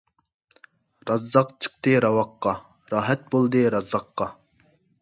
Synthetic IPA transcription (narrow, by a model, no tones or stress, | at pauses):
ɾɑzːɑqt͡ʃʰə̥q̚t̪ɨɾɑwɑqːɑ | ɾɑːɦɛt̪̚bolˠd̪ɨɾɑzːɑqːɑ